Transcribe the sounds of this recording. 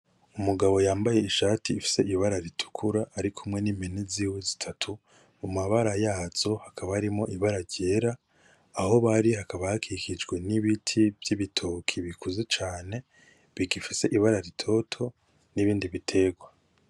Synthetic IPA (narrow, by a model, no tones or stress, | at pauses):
umuɡaβo̞jaːmbaje̞iʃaːtiːfi̥se̞iβaɾaɾitʰu̥kʰuɾaʔːɾikʰumŋe̞nimbeneziːwe̞zi̥tʰatʰu | umaβaɾajaːz̥o̞hakʰaβahaɾimo̞ʔiβaɾaɾɟe̞ɾaː | ho̞βaɾihakaβahakʰikid͡ʒɡwe̞niβitʰivjiβitʰokʰiβikuzet͡ʃaːne̞ | βiɡifise̞ʔiβaɾaɾitʰo̞tʰo̞ | niβiːndiβitʰe̞ɡwa